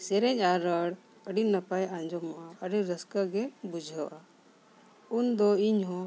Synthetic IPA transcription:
sɛɾɛɲaɾəɽ | əɖinːəpajãɲd͡ʒɔmaʔaəɖiɾəskaɡɛbud͡ʒʱəwʔa | und̪ɔiɲɦɔ̃

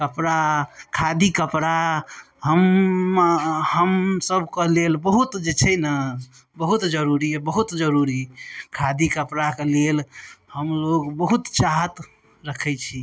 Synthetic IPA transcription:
kəpɾakʰad̪ikəpɾa | həm | ɦəmsəbʱkelelbəɦut̪d͡ʒet͡ʃʰɛjnə | bəɦut̪d͡ʒəɾuɾiɛbəɦut̪d͡ʒəɾuɾikʰad̪ikəpɾakelelhəmloɡbəɦut̪t͡ʃaɦət̪ | ɾəkʰɛt͡ʃʰi

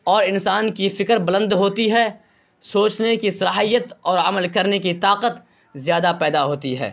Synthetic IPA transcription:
ɔːɾɪnsaːnkifɪkəɾbɐlə̃nd̪ɦoːt̪iɦɛː | soːt͡ʃnekisɐlaːɦijət̪ɔːɾəməlkɐɾnekit̪aːqət̪ | zjaːd̪apɛːd̪aɦoːt̪iɦɛ̰ː

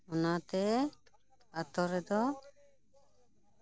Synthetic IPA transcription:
ɔnat̪ɛ | at̪ɔɾɛd̪ɔ

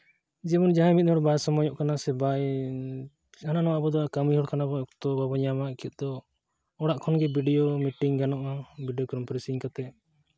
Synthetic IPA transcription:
d͡ʒɛbɔnd͡ʒaɦãmit̪̚ˀhɔɽbajsɔmɔjɔʔkanasɛbaj | ananɔabɔd̪ɔakamiɦɔɽkanabɔɔk̚t̪ɔbabɔɲamakit̪̚ˀd̪ɔ | ɔɽaʔkʰɔnɡɛbiɖijomiʈiŋɡanɔʔabiɖijɔkɾɔmpɔɾɛsiŋkat̪ɛ

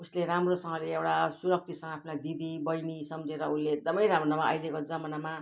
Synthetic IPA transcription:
usleɾamrosʌŋɡʌleewʈasuɾʌk̚t̪ʰisʌŋɡʌapʰnajd̪id̪ibʌjnisʌmd͡zeɾʌunlːeek̚d̪ʌmʌjɾamʌnʌmaʌ̰jlekod͡zʌmʌnama

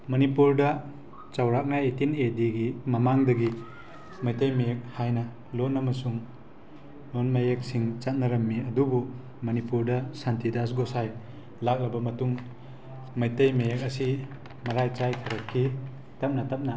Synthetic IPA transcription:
mɐnipuɾdɐ | t͡ʃawɾak̚naetinediɡimɐmaŋdɐɡi | mɐjtɐjmɐjek̚hajnɐ | lonːɐmɐsuŋ | nonmajek̚siŋt͡ʃat̚nɐɾɐmːiɐdubu | mɐnipuɾdɐsantidas̬ɡosaj | lak̚lɐbɐmɐtuŋ | mɐjtɐjmajek̚ɐsi | mɐɾajt͡ʃajtʰɐɾɐkʰːi | tɐp̚nɐtɐp̚nɐ

